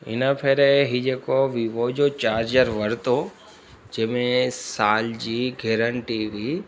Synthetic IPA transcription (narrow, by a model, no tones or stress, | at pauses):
ɪ̰nəpʰeɾeɦid͡ʑeːkoʋiʋod͡ʑot͡ɕaːɾd͡ʑəɾʋɐɾt̪o | d͡ʑẽːmẽsaːld͡ʑiːɡʱeːɾəɳʈiʋiː